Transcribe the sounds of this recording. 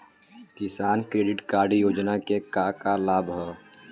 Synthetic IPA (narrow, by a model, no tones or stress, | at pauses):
kɪsaːnkɾeːɖɪʈkaːɾɖjoːd͡ʒnakekakalaːbʱɦɛ